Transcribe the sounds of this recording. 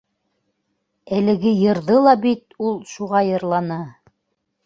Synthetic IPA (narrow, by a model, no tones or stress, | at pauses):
ælɘ̆ɡɘjɤ̆ɾðɤlˠɑbit̪ulˠʃuʁɑjɤ̆ɾlˠɑnɤ